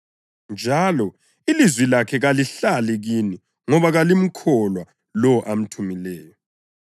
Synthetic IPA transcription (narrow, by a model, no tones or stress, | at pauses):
nd͡ʒʱalɔ | ilizwilakʰɛɣaliɬalɛɣini | ŋɔβaɣalim̩kʰɔlwa | lɔʔam̩tʰumilɛːjɔ